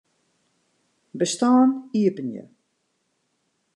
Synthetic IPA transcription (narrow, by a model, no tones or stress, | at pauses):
bəstaːniəpənjə̰